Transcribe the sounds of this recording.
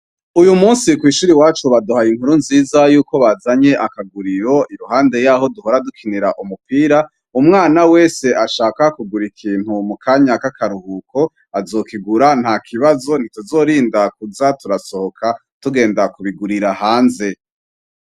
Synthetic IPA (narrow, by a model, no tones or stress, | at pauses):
ujumuːnsikwiːʃuːɾiwaːt͡ʃuβaduhajiŋ̥huɾunziːzajuːko̞βazaɲe̞ʔakaɡuɾiɾo̞ʔiɾuɦaːnde̞jaːɦo̞duho̞ɾadukʰiniɾaʔumupiːɾa | umŋaːnawe̞ːse̞ʔaʃaːkakuɡuɾikʰiːn̥humukʰaːɲakakaɾuhuko̞ | azo̞kiɡuɾan̥hakʰiβazo̞n̥ituzo̞ːɾiːndak̚uzatuɾaso̞hokʰa | tuɡe̞ːndakuβiɡuɾiɾahɦaːnze̞